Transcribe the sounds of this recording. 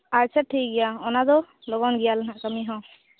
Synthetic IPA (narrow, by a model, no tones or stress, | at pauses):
aɹt͡ʃʰaʈʰːiɡijaɔnadɔ | lɔɡɔnɡijalakamiɦɔ̃